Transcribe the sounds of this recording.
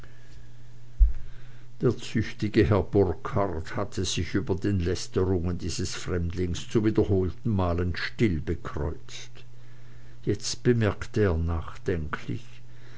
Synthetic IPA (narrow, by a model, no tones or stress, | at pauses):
d̥eːɐt͡sʏçtɪɡəɦɛɐbʊʁkʰaʁthatʰəz̥ɪçʔyːbɐdeːnlɛstəʁʊŋəndiːz̥əsfʁ̥ɛmdlɪŋst͡suviːdɐhoːltn̩maːlənʃtɪlbəkʁ̥ɔ̰ʏt͡s | t | jɛt͡st̚b̥əmɛɐktəeːɐnaːχd̥ɛŋkʰlɪ̰ç